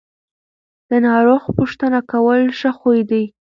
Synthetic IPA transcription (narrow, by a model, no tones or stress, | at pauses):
d̪̥ənɑɾoxpuʃt̪ənakawəlʃəxojd̪aj